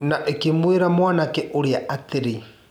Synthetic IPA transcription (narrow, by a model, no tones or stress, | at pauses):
naʔekemweɾamwaːnakɛʔoɾeaʔat̪eɾe